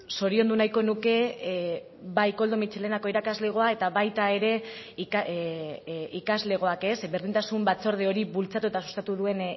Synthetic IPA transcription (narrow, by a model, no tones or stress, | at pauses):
so̞ɾio̞nd̪unajko̞nuke̞ | βajko̞ld̪omit͡ʃe̞le̞nako̞iɾakazle̞ɣ̞o̞ae̞t̪aβajt̪ae̞ɾe̞k | ikazle̞ɣ̞o̞ake̞sbe̞ɾðint̪asumbat͡so̞ɾð̞eo̞ɾiβult͡sat̪ue̞t̪asu̥st̪at̪uðue̞n